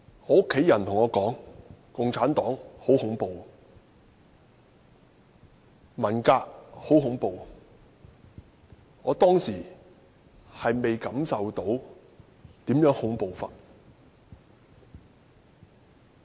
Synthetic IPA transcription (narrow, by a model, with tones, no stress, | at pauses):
ŋɔː˨˧ʊ˥kʰːe˨˥jɐ˨˩nt̪ʰʊ˨˩ŋɔː˨˧kɔː˨˥ŋkʊ˨ŋt͡sʰaː˨˥nt̪ɔː˨˥ŋho˨˥whʊ˨˥ŋpo˨w | mɐ˨˩nkaː˧k̚ho˨˥wɦʊ˨˥ŋpo˨w | ŋɔː˨˧t̪ɔː˥ŋsiː˨˩ | hɐ˨jme˨jkɐ˨˥msɐ˨wt̪o˨˥w | t̪iː˨˥mjœː˨˥ŋhʊ˨˥ŋpo˨wfa̰ː˨t̚